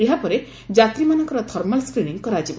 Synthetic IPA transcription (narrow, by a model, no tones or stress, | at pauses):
eɦapɔɾe | d͡ʒat̪ɾimanɔŋkɔɾɔt̪ʰɔɾmalskɾiniŋkɔɾat͡ʃib